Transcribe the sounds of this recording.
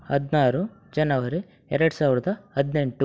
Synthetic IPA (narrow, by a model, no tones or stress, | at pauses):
ɐd̪naːɾu | d͡ʒɐnɐʋɐɾi | ɛɾɐɽusaːʋiɾɐd̪ɐɐd̪ne̞ɳʈu